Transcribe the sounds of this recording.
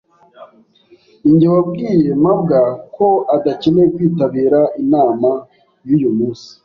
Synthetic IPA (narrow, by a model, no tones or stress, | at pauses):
iɲɟewab̚ɡiːje̞mab̚ɡako̞adacenekwiːtaβiːɾaʔinaːma | jujumuːnsi̥